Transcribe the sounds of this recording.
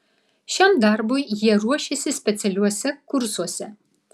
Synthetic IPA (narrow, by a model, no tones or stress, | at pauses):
ʃʲɛmd̪aːrbujjiɛɾuɔʃʲesʲɪsʲpʲɛt̪sʲɛlʲuɔsʲɛkʊɾsuɔsʲɛ